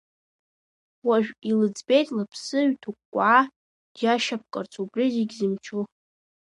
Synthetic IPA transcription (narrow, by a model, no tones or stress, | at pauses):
waʒᶣilɨd͡zbe̞jtʼlapʰsɨɥtʰukʷkʷːʼaː | d̥jaʃap̚ʰkʼart͡sʰʼubriziɡʲzɨmt͡ʃʰu